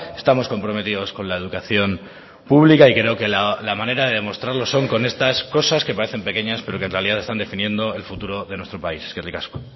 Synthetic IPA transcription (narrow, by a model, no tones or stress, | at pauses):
e̞̥st̪amo̞sko̞mpɾo̞me̞t̪iðo̞sko̞nlae̞ð̞ukaθjo̞n | puβlikaikɾe̞oke̞lalamãne̞ɾaðe̞ðemo̞st̪ɾaɾlo̞so̞ŋko̞ne̞st̪asko̞saske̞paɾe̞θe̞mpe̞ke̞ɲaspe̞ɾo̞kenrealiðaθest̪and̪e̞finje̞nd̪o̞e̞lfut̪uɾo̞ðe̞nwe̞st̪ɾo̞paiseskerlikasko̥